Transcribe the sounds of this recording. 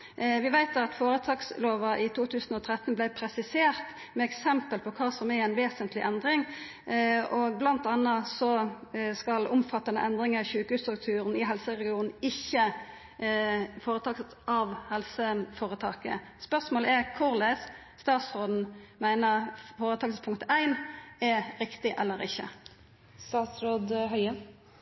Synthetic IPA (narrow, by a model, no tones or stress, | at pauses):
ʋɪʋæɪt̪ɑt̪foːɾət̪ʰɑːksloːʋɑʔɪt̪ʰuːt̪ʰʉːsn̩ɔt̪ʰʁɛt̪ːn̩blæɪpʰɾɛsɪseːʁt̪ | mɛɛksɛmpəlpʰɔkʰɑːsɔmɛæɪnʋeːsənt̪ʰlɪʔɛnd̪ʁɪŋ | ɔɡ̚blɑnt̪ɑnːəsɔskɑlʊmfɑt̪ːɑnə̰ʔɛnd̪ɾɪŋəɑçʉːkhʉːst̪ɾʉk̚t̪ʰʉːɾən̩ɪɦɛlsəʁɛɡɪuːnn̩ɪçːə | foːɾət̪ʰɑːksət̪ʔɑʋhɛlsəfoːʁət̪ʰɑːkə̰spœʁsmoːləɛʁkʰʊʁles | st̪ɑːt̪sɾoːd̪n̩mæɪnəʁfoːʁət̪ʰɑːksəspʰʊŋkt̪æɪnɛɾɪkt̪ɪʔɛlːəɾɪçːə̰ | st̪ɑːt̪sɾoːd̪ɦœʏə